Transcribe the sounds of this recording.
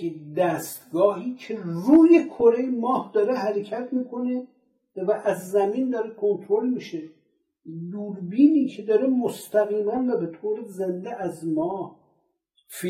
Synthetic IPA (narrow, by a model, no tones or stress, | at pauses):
d̪æst̪ɡɒːɦiːcʰeɾuːjekʰoɾejmɒːhd̪ɒːɾeɦæɾecʰæt̪ʰmiːkʰone | væʔæzːæmind̪ɒːɾekʰont̪ʰɾolmiʃe | d̪uːɾbiːniːcʰed̪ɒːɾemost̪ʰæɣiːmænvæbet̪ʰoːɾezend̪eʔæzmɒːh | f